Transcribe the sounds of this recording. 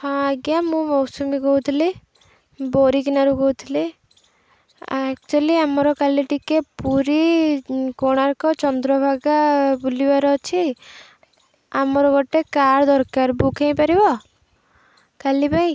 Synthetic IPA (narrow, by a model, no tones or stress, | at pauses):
hɔ̃aɡjamũmɔwsumikɔɦut̪ʰili | boɾikinaɾuɡɔɦut̪ʰili | ɛk̚t͡ʃualiamɔɾɔkaliʈikepuɾi | koɽ̃aɾkɔt͡ʃɔnd̪ɾɔbʱaɡabulibaɾɔt͡ʃʰi | a̰mɔɾɔɡɔʈekaɾd̪ɔɾkaɾbukʰẽj̃paɾibɔ | kalipaĩ